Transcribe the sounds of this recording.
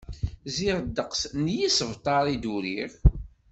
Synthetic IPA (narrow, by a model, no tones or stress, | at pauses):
ziʁd̪ːəqsnjisəvt̪ˤɑɾˤid̪uɾiʁ